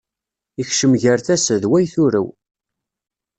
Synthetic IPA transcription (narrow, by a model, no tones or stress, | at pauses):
içʃəmʝəɾθæsəðwæjθʊɾə̰w